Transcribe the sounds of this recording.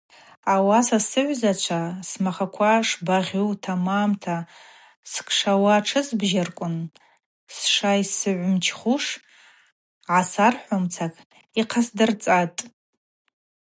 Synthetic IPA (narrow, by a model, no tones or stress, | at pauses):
awasasɨʕʷzat͡ʃʷʰasmaχakʷʰaʂbaʁʲuwtʰamaːmtʰa | skʰʼʂawaʈ͡ʂʰɨzbʒarkʷʼʊn | sʂaisɨʕʷmt͡ʃʰχuʂ | ʕasarħʷomt͡sʰakʼ | iqʰasdɨrt͡sʼatʼ